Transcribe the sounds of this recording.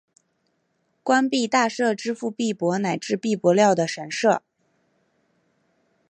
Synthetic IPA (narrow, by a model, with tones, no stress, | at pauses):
kwa˥npi˥˧t̪a˥˧ʂɤ˥˩ʈ͡ʂɻ̩˥fu˥˧pi˥˩pwɔ˧˥na˨˩ɪʈ͡ʂɻ̩˥˧pi˥˩pwɔ˧˥ljɑ˥˩ʊd̪ə˩ʂə˧˥nʂɤ˥˩